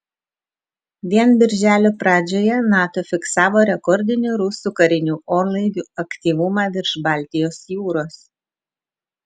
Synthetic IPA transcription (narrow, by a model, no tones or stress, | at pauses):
ʋʲiɛnbʲɪɾʲʒʲæːlʲoːpɾɑːd͡ʒʲoːjɛnɑːt̪oːfʲɪksɑːʋoːɾʲɛkɔɾʲd̪ʲɪnʲʊɾʊsuːkɐɾʲɪnʲuːʔoːɾlˠɐɪd̪ʲuːɐkt̪ʲiːʋʊmɑːʋʲɪɾʃbɑːˑlʲt̪ʲɪjoːsjuːɾoːs